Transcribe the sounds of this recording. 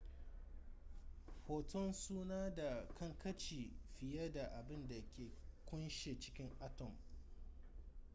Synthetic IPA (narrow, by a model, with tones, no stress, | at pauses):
ɸoː˨tɔ˦nsuː˦naː˦da˨kɐ˦ŋkɐ˦t͡ʃiː˨ɸɪ˨jɐ˦da˨ʔa˨bɪ˦nda˨kʲeː˨kʷʊ˦nʃe˨t͡ʃɪ̥˦kʲɪ˦ŋʔa˦tɔ˨m